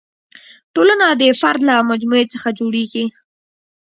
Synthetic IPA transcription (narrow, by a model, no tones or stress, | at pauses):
ʈolanad̪əfaɾd̪lamad͡ʒmuet͡səxad͡ʒoɽeɡi